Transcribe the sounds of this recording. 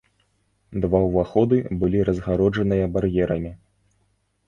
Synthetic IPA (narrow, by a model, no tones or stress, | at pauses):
d̪vawvaxɔd̪ɨbɨlʲiɾɐzɣaɾɔd͡ʐɐnɨjɐbarjɛɾɐmʲi